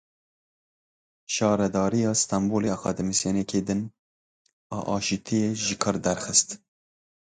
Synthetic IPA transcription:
ʃɑːɾɛd̪ɑːɾijɑːst̪ɑmboleːxʷɛ̰d̪ɨmɨsjonekʰeːd̪ɨn | ɑ̰ːʔɑːʃit̪ʰijeʒɪkʰɨɾd̪ɛɾxɨst̪

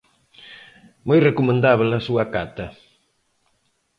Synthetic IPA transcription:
mojrekumẽnd̪aβelɐsuɐkat̪ɐ

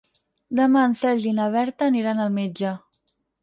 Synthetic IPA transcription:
d̪əmaənsɛɾʒinəβ̞ɛɾt̪əːniɾanəlˠmed͡ʒə

